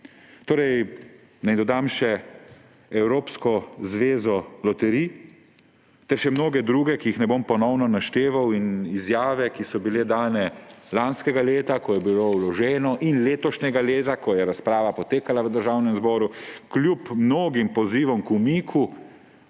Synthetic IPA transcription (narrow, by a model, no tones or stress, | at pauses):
t̪oːɾɛj | najd̪ɔd̪amʃɛ | ɛwɾoːpskɔzʋeːzɔlɔt̪ɛɾi | t̪ɛɾʃɛmnoːɡɛd̪ɾuːɡɛkijixnɛbompɔnɔwnɔnaʃt̪eːʋawinizjaːʋɛkisɔbiled̪aːnɛlanskɛɡaleːt̪akɔjɛbilowlɔʒɛːnɔʔinleːt̪ɔʃnɛɡaleːt̪akɔjɛɾaspɾaːʋapɔt̪eːkalaʋəd̪əɾʒaːwnɛmzbɔːɾuklʲjupmnoːɡimpɔziːʋɔmkumiːkʰu